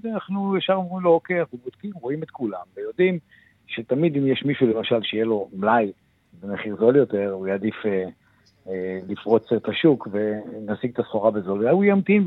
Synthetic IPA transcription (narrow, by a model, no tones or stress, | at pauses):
danaχnujaʃaʁomʁimlookeaubod̥kimʁo̞imet̪kulamvejo̞d̪im | ʃet̪amid̪imjeʃmiʃule̞maʃalʃejelo̞mlaj | bemeχiʁzo̞ljo̞t̪e̞ʁujad̪ife | lifʁo̞t͡sset̪aʃukve̞nasiɡ̚t̪asχo̞ʁabezo̞lvaujamt̪im